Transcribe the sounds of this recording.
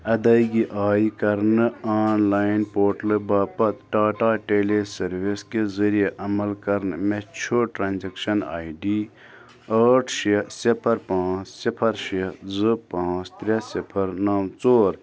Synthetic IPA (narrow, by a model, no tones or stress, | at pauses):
ɐd̪ɐiɡiʔaːikɐɾnɨaːnlaːinpoːʈlɨbaːpɐt̪ɖaːʈaːʈeːlesɐɾʋiskezɐɾijeʔɐmɐlkɐɾnɨmet͡ʃʰoʈɾaːnzɐkʃɐna̰ːiɖiː | ɐːʈʰʃɐsɪpʰɐɾpãːt͡ʃsɪpʰɐɾʃɐzɨpãːt͡ʃt̪ɾʲɐsɪpʰɐɾnaːmt͡soːɾ